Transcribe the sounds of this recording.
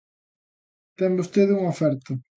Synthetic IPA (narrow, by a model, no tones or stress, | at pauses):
t̪ɛmbost̪eðuŋofɛɾt̪ʊ